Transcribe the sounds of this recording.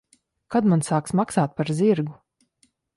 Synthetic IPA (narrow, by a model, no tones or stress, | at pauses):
kad̪mansaːksmaksaːt̪̚paɾzʲiɾɡu